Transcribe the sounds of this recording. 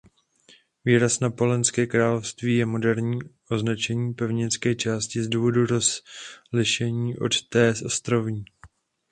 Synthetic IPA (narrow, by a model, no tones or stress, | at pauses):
viːɾasnapo̞lɛnskɛːkɾaːlofst̪viːjɛmo̞dɛɾɲiːʔo̞znat͡ʃɛɲiːpɛvɲɪnt͡skɛːt͡ʃaːscɪzduːvo̞duɾozlɪʃɛɲiːʔo̞̰t̪t̪ɛːsʔo̞st̪ɾo̞vɲiː